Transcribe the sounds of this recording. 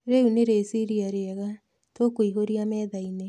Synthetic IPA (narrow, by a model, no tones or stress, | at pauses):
ɾeuneɾesiɾiaɾeɛɣa | tokoiɦoɾiamɛːðaine